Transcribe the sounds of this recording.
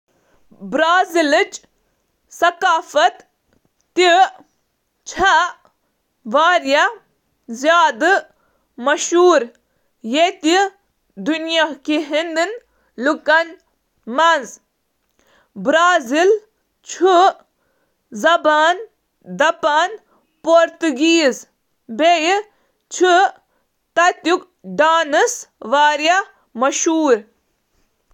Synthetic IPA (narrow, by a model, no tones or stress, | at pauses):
bɾaːzilɨt͡ʃ | sɐkaːfɐt̪ː | i | t͡ʃʰɐ | ʋaːɾja | zjaːd̪ɨ | mɐʃuːɾ | jet̪i | d̪unjakiɦind̪ɨn | lukɐn | mɐnz | bɾaːzil | t͡ʃʰu | zɐbaːn | d̪ɐpaːn | poɾt̪uɡiːz | beji | t͡ʃʰu | t̪ɐt̪juk | ɖaːnɨsʋaːɾjɐ | mɐʃuːɾ